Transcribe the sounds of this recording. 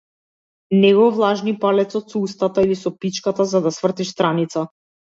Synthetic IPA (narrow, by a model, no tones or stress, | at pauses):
nɛɡɔvlˠaʒnipalɛt̪sɔt̪sɔust̪at̪ailisɔpit͡ʃkat̪azad̪asvr̩t̪iʃst̪ɾanit̪sa